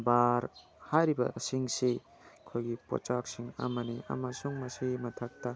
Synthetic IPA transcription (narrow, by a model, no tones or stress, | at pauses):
baɾ | hajɾibɐɐsiŋsi | kʰojɡipo̰t͡ʃak̚siŋɐ̰mɐniɐ̰mɐsuŋmɐsimɐtʰɐk̚tɐ